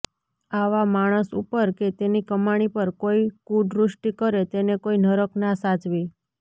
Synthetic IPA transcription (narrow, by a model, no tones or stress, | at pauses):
aʋamaɽ̃əsṵpəɾket̪enikəmaɽ̃ipəɾkoikuɖɾʊʃʈikəɾet̪enekoinəɾəknasad͡ʒʋi